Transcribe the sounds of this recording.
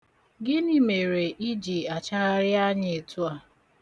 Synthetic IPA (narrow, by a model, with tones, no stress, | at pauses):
ɡɪ˦ni˦me˨ɾe˨ʔi˦d͡ʒi˨a˨t͡ʃa˦ɾa˦ɾɪ˦a˦ɲɪ˨e˨tu˦a˦˨